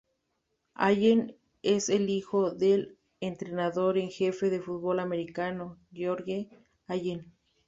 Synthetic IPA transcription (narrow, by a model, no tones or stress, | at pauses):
a̰jen | eselixoðel | ent̪ɾenaðoɾeŋxefeðefut̪̚βolameɾikanoɡjoɾɣe | ajen